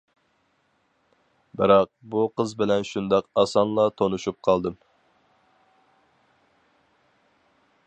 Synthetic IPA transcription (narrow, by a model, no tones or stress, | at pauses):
bɪɾɑq̚buqʰəzbɪlɛnʃund̪ɑqɑsɑnlˠɑt̪ʰonuʃup̚qʰɑlˠd̪ɨm